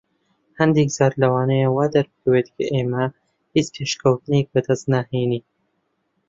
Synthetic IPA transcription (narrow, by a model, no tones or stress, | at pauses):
hɐnd̪eːkz̥aːɾlɐwɑːnɐjawaːd̪ɐɾbɨkʰɐweːt̪kʰɐʔeːmɐ | hiːt͡spʰeːʃkʰɐwt̪ɨnek̚bɨd̪ɐst̪naheːniː